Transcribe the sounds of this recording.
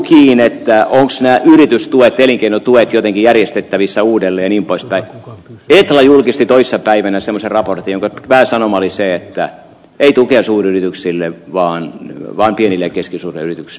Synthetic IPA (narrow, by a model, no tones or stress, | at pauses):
kiːnet̪ːæʔoŋksnæːʔyrit̪yst̪uet̪ːeliŋkeinot̪uet̪jot̪eŋkijærjest̪et̪ːæʋisːæuːdelːeːjɑniːmpoispæiet̪ːɑlɑjulkist̪it̪oisːɑpæiʋænæsemːˑoserɑport̪ijoŋkɑʋæhæsɑnomɑoliseet̪ːæ | eit̪ukeɑsuːriyrit̪yksilːeʋɑːnʋɑːmpienilːekeskisuːrḛyrit̪yksi